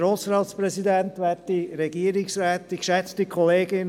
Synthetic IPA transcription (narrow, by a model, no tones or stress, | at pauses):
ɾosɾɑːt̪sprɛsidɛntʋɛtiɾɛɡiəɾɪksɾɛːtːikʃɛt͡stikʰɔleːɡɪn